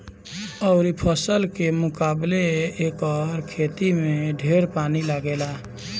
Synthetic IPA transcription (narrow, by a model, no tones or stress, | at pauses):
əʊɾipʰəsəlkemʊkableːkəɾkʰet̪imeɖʱeɾpaniləɡela